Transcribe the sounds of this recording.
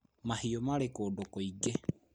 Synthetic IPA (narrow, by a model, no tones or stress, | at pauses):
mahiomaɾekoːdokoiɡe